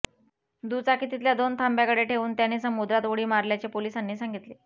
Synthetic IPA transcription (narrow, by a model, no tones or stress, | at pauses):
d̪uːt͡sakiːt̪it̪ljad̪ont̪ʰambjakəɽeʈʰeʋuːnt̪janːiːsəmud̪ɾat̪ʋəɽ̤iːmaɾljat͡ɕepoliːsanːiːsaŋɡit̪le